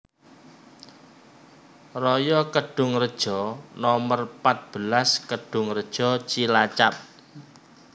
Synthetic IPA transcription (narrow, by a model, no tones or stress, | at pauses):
rɔjɔkəɖ̥ʊ̤ŋrəd̥ʒ̥ɔnɔmərpat̪̚b̥əlaskəɖ̥ʊŋrəd̥ʒ̥ɔ̤t͡ʃilat͡ʃap̚